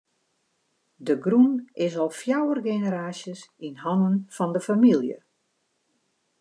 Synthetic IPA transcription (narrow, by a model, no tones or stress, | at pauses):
dəɡrunɪsɔlˠfjawərɡenəɾaːsjəsinɦɔnənfɔndəfamilˠjə̰